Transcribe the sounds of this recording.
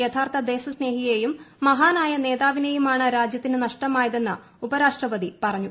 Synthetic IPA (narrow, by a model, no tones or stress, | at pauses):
et̪ʰaːrt̪ʰɐd̪e̞ːsɐsne̞ːɦijejumːɐɦaːnaːjɐne̞ːðaːʋine̞jumaːɳɨɾaːd͡ʑjɐt̪ːinɨnɐʂʈɐmaːjɐðe̞nːɨ | ubɐɾaːʂʈrɐpɐðipɐrɐɲːu